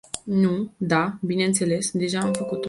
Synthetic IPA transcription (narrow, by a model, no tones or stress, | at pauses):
nud̪abine̞ɨnt̪se̞le̞sd̪e̞ʒaːmfəkut̪